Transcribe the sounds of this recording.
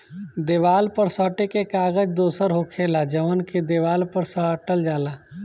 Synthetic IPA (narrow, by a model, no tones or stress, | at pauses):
d̪eːʋaːlpəɾsəːʈekekaːɡəd͡ʒd̪oːsəɾɦokʰeːlad͡ʒəʋənkʰed̪eːʋaːlpəɾsəʈəld͡ʒaːlaː